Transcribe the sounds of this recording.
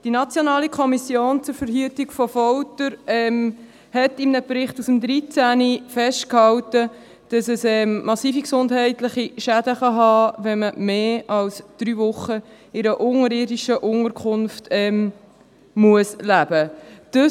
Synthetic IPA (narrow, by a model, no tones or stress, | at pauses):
d̥inɑt͡sjonɑːlikʰɔmisjoːnt͡sʊɾfəɾɦyətɪɡfɔfɔwtəɾɛm | hɛtɪmnəpɾɪχtusəmd̪ɾit͡sænifɛʃt̚khɑwtə | d̥ɑsəsɛmmɑsiːfiksʊndɦɛɪtlɪχiʃæd̥əχɑɦɑːʋɛnməmeːʔɑlsd̪̥ɾyːvʊχːə | ɪɾəʔʊŋəɾɪːdiʃəʔʊŋəɾkʰχʊnftɛm | muəslæb̥əd̥ɑ